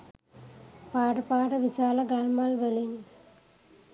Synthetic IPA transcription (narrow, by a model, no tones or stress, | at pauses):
paːɽɐpaːɽɐʋisaːlɐɡaːlmaːlʋelin